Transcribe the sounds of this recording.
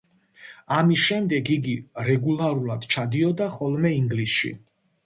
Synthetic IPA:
amisʃɛmd̪ɛɡiɡiɾɛɡulˠaɾulˠad̪̥t͡ʃʰad̪iɔd̪aχɔlˠmɛiŋɡlisʃḭ

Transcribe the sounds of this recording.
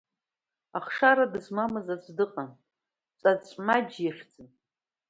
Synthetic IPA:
aχʂaɾadɨzmamɨzat͡ɕʷʰʼdɨqʼan | t͡sʼat͡ʃʷʼmad͡ʒjaχʲd͡zɨn

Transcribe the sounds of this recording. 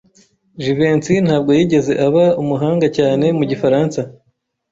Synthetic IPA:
ʒiveːnt͡sin̥haːb̚ɡo̞jiːɟe̞ze̞ʔaβaumuɦaːŋɡacaːne̞muɟifaɾaːnsa

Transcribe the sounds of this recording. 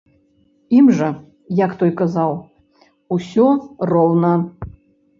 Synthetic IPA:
imʐɐ | jakt̪ɔjkazaw | usʲɔrɔwnɐ

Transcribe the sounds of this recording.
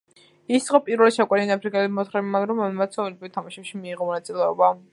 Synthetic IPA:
isχɔpʼiɾvɛlɛʃakʼɛninapʰɾikʼɛlimɔt̪ʰχɾɛmimanɾɔmamat̪sʰɔvɛlbɾit̪ʰamaʃɛpʃimiːʁɔmɔnat̪ʼilɛɔba

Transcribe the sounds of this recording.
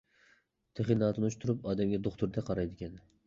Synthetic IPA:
t̪ʰɨχɪnɑt̪ʰnʊʃt̪ʰʊɾʊpɒd̪amɡʲad̪oχt̪ʊɾd̪aqʰɑɾajd̪ɪɡʲan

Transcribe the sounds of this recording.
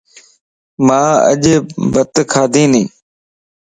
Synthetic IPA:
mãːə̰ʄbət̪kʰaːd̪ʱĩːnḭ̃ː

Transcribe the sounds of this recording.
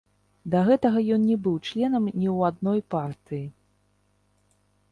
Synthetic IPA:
d̪ɐɣɛt̪ɐɣɐjɔnnʲɛbɨwt͡ʂlʲɛn̪ɐmnʲiwad̪nɔjpart̪ɨji

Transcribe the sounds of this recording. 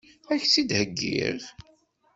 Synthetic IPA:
æçsid̪həɡːḭʁ

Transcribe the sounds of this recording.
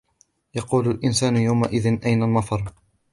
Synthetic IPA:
jɑquːlalʔɪnsaːnʊjawmaʔɪðɪnʔajnalmɑfɑɾˤ

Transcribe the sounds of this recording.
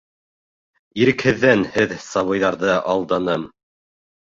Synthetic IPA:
iɾɘ̆khɘ̆ðːænhɘðsɑβɤ̆jðɑɾðɤʔɑlˠd̪ɑnɤm

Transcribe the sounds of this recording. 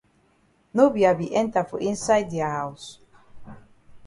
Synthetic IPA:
nobiabiʔɛ̃nt̪afɔʔĩnsajd̪̚diahaws

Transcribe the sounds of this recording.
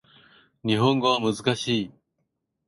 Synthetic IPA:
ɲ̟iɦõ̞ŋɡo̞βamɯ̟zɨkaɕiː

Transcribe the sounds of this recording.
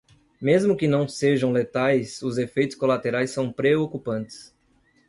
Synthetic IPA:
mezmʊkɪnɐ̃w̃seʒɐ̃w̃let̪ajsʊzefejt̪ʊ̥skolat̪eɾajsːɐ̃w̃pɾeokupɐ̃nt̪ɪ̥s

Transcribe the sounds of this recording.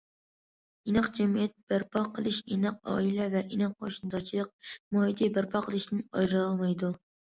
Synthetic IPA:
inɨqd͡ʒɛmijɛt̪̚b̥æɾpʰɑqʰːəlˠɨʃenɨq̚ɑ̰ːilɛvɛʔinɨq̚qʰːoʃnd̪ɑt͡ʃʰilˠəq̚mɑːid̪ibæɾpʰɑqʰəlˠɨʃt̪ɪnɑjɾɨɑlˠmɑjd̪u

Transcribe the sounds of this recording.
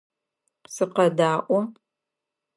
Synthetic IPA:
sɨqɐdaːʔʷɔ

